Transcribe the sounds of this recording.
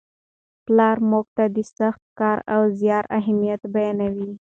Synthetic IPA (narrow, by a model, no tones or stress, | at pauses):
plɑɾmoɡ̚t̪ad̪isaxt̪̚kɑɾa̰wzjɑɾaɦamijat̪bajɑnawi